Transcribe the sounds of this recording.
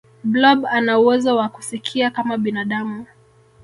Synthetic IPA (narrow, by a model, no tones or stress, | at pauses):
blɔbanauwɛzawaku̥sikʰiakamaɓinaɗamu